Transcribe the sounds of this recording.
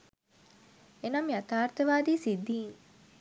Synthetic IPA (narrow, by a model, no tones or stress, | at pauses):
enamiat̪aːrt̪əʋaːd̪iːsid̪ːiːŋ